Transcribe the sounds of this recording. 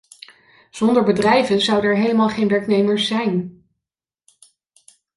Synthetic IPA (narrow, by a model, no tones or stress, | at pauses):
z̥ɔndəɹbədrɛjvənzʌwdənɛɹɦejləmaːlˠχejnʋɛɹknejməɹsɛjn